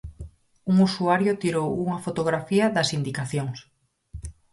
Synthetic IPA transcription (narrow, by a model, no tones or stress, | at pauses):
uŋusuaɾjʊt̪iɾowuŋɐfot̪oɣɾafiɐðɐsind̪ikaθjoŋs